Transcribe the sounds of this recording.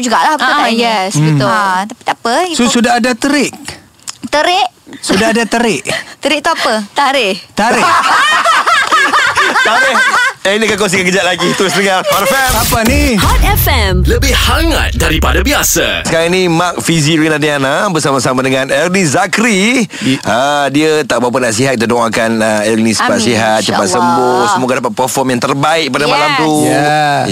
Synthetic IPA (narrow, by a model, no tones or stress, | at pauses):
d͡ʒuɡaʔlahpjɛsit̪uat̪api̥t̪apəisosudaɦadat̪əɾɪʔ̚ | t̪əɾɪʔ | sudaɦadat̪əɾɪʔt̪əɾɪʔ̚t̪uapət̪aɾɪht̪aɾɪ | t̪aɾɪhɛnikakɔns̬ikãkəd͡ʒaʔ̚laɡit̪əɾʊsdəŋahɔtɛfɛmapanihat̪ɛfɛmləbɪhhaŋa̰t̪̚daɾipadabiasa̰səkaɾaŋnimak̚fiziɾinadianabərsamasamadəŋãnɛlniszakɾi | ədiət̪aʔbawp̬ənaʔs̬iɦat̪̚kit̪ədoŋakanəɛlnisə̥pat̪siɦat̪̚t͡ʃəpa̰t̪̚səmbʊhsəmoɡadapat̪̚pərfɔmjaŋt̪ərbaɪʔ̚padamalamt̪u